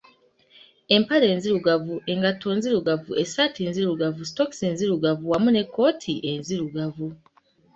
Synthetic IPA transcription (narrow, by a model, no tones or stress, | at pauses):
e̞mpale̞ːnziɾuɡavuʔe̞ŋɡato̞nziɾuɡavue̞satinziɾuɡavusto̞ksenziɾuɡavuwamune̞kːo̞ːtʰiʔe̞nziɾuɡavu